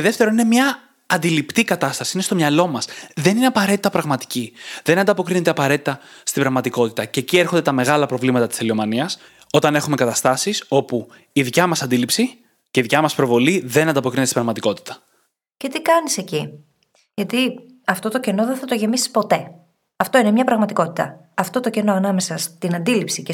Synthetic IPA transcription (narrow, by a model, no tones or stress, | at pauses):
eðe̞ft̪e̞ɾo̞nine̞mɲɐː | nd̪ilipt̪ikɐt̪ɐst̪ɐsiine̞st̪o̞mɲɐlo̞mɐsðe̞nine̞ɐpɐɾe̞t̪i̥t̪ɐpɾɐɣmɐt̪i̥ciðe̞nɐnd̪ɐpo̞kɾine̞t̪e̞ɐpɐɾe̞t̪it̪ɐst̪ibɾɐɣmɐt̪iko̞t̪i̥t̪ɐce̞ːcie̞ɾxo̞nd̪et̪ɐme̞ɣɐlɐpɾo̞vlimɐt̪ɐt̪i̥selio̞mɐniɐs | o̞t̪ɐne̞xume̞kɐt̪ɐst̪ɐsiso̞pu | iðicɐmɐsɐnd̪ilipsi | ceiðicɐmɐspɾo̞vo̞liðe̞nɐnd̪ɐpokɾinetesibɾɐɣmɐt̪iko̞t̪i̥t̪ɐ̥ | ce̞t̪ikɐnise̞ci | ʝɐt̪i | ɐft̪o̞t̪o̞ce̞no̞ðeθɐt̪oʝe̞misi̥spo̞t̪e̞ | ɐft̪o̞ine̞mɲɐpɾɐɣmɐt̪iko̞t̪i̥t̪ɐ̰ | ɐft̪o̞t̪oce̞no̞ɐnɐme̞sɐst̪inɐnd̪ilipsice